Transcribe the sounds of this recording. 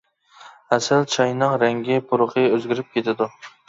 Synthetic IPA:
asɪlt͡ʃʰajnɨqɾaŋɡʲɪpʰʊɾɨqʰɨɵzɡʲɪɾɪp̚kʲʰe̞t̪ʰad̪ʊ

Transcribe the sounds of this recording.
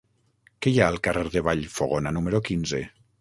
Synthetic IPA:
kejaəlˠkareɾðeβaʎfoɣonanumeɾokinze

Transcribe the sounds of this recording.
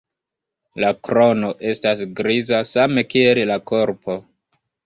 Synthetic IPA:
lakɾo̞no̞ʔe̞stasɡɾizasame̞kie̞llako̞ɾpo̞

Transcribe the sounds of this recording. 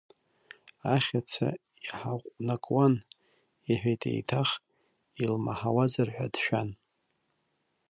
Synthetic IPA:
aχʲat͡sʰa̰ | iħaʁʷʼnakʼwan | iħᶣajtʼḛjtʰaχ | ilmaħawazarħʷᶣadʃᶣan

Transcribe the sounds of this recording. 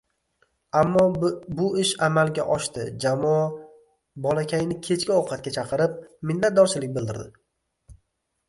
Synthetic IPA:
amːɒbʊɪʃamalɡʲaʔɒʃt̪ɪd͡ʒamɒ | bɒlakʲʰajnɪkʲʰe̞t͡ʃkʲɪoqʰɑt̪̚kʲat͡ʃʰɑqʰɨɾɪp̚mɪnlːat̪̚d̪ɒɾt͡ʃʰɪlɪk̚ʲbɪld̪ɪɾd̪ɪ

